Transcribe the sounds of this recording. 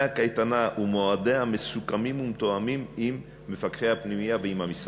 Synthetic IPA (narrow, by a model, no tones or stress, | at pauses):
akajt̪anaʔumoad̪eame̞sukamimumt̪oamimimː | e̞fakʁehapnimijaveimhamis